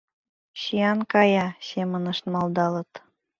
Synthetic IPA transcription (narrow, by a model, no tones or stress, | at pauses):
ɕiɑnkɑjɑsemənɤʃt̪mɑld̪ɑlɤ̆t̪